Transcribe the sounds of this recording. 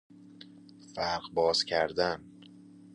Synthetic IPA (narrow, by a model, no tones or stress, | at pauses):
fæɾɢbɒːz̥cʰæɾd̪æn